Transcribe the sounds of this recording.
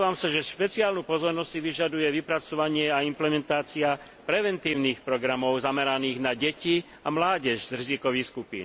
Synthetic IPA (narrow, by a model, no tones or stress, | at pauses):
ʋaːmsaʒɛʃpɛt͡siaːlnupɔzɔɾnɔssiʋiʒad̪ujɛʋipɾat͡sɔʋaɲɪɛaimplɛmɛnt̪aːt͡sia | pɾɛʋɛnt̪iːʊniːxpɾɔɡɾamɔʊzamɛɾaniːɣnaɟɛci | amlaːɟɛʒzɾizikɔʋiːxskupḭːn